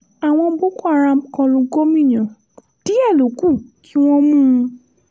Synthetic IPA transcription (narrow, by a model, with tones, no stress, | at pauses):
a˨w̃ɔ̃˧bo˦ko˦a˦˨ɾa˧m˨kɔ̃˧lũ˧ɡo˦mĩ˦˨j̃ã˨ | d̥i˦ɛ˦˨lo˨˦ku˦˨kʰi˦w̃ɔ̃˦mũ˦˧